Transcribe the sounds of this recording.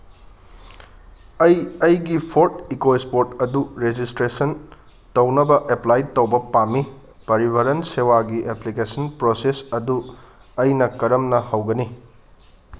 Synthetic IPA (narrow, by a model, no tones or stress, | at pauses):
ɐjɐjɡipʰoɾtikoespoɾtɐduɾed͡ʒistɾesɐn | tɐwnɐbɐʔeplajtɐwbɐpamːi | pɐɾibʱɐɾɐnsewaɡiʔeplikesɐnpɾosesɐdu | ɐjnɐkɐɾɐmnɐhɐwɡɐni